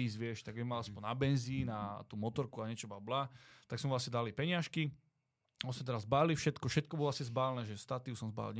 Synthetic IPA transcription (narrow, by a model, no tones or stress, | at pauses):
iːzʋɪɛʃt̪aɡɛmalaspɔnnabɛnziːnat̪uːmɔt̪ɔɾkuaɲɛt͡ʃɔbablat̪aksmɛvlasɲɛd̪alipɛɲɪaʃki | ɔsmɛt̪ɛɾazːbalifʃɛt̪kɔfʃɛt̪̚kɔbɔlɔʋlasɲɛzbaːlnɛːʒɛst̪at̪iusɔmzba̰lɲ